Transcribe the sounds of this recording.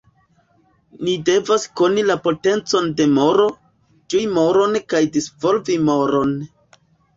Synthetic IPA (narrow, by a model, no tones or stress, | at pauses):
nide̞vasko̞nilapo̞te̞nt͡so̞nde̞mo̞ɾo̞ | d͡ʒujmo̞ɾo̞nkajdisvo̞lvimoɾo̞n